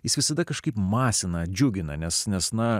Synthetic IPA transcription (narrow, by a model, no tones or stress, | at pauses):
jɪsʋʲɪsɐd̪ɐkɐʃkɐɪpmɑːsʲɪnɐd͡ʒʲʊɡʲɪnɐ̰nʲɛsnʲɛsnɐ